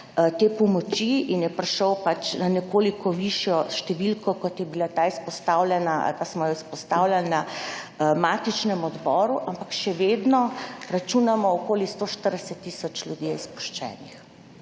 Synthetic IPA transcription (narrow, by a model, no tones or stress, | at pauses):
t̪eːpɔmɔt͡ʃiinjɛpɾɛʃɔwpat͡ʃnanɛkoːlikʰɔʋiʃjɔʃt̪ɛʋilkɔkɔt̪jɛbilat̪aːispɔst̪aːwlʲɛnaʔa̰lpasmɔjɔispɔst̪aːwlʲjalna | maːt̪it͡ʃnɛmɔd̪bɔːɾuʔampakʃɛʋeːd̪nɔɾat͡ʃunamɔɔkoːlist̪oʃt̪əɾd̪ɛsɛt̪ːisɔt͡ʃlʲjud̪jispu̥ʃt͡ʃɛ̰ːnix